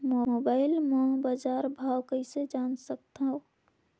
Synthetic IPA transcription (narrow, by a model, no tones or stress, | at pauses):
mobaɪlmãbaːd͡ʒaɾbʱawkəɪsed͡ʒansək̚t̪aɦõ